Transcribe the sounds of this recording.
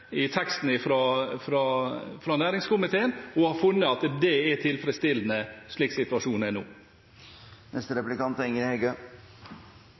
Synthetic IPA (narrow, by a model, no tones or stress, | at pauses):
ɪt̪ʰɛkst̪n̩ɪfɾɑfɾɑfɾɑːnæːɾɪŋskʰʊmɪt̪ʰeːənɔhɑɾfʉnːəɑt̪d̪ɛɛt̪ʰɪlfɾəst̪ɪlːənəʂɭɪːksɪt̪ʉɑʂuːnənṵː | nʔɛst̪əɾɛplɪkɑnt̪ɪŋəɾhɛɡø